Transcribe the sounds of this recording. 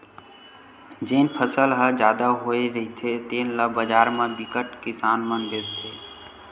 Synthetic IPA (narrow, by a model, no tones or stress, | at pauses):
d͡ʒeːnpʰəsəlɦəd͡ʒaːd̪aɦoeɾəɦit̪ʰet̪eːnləbəd͡ʒaːɾmẽbikəʈkisaːnmənb̪est̪ʰe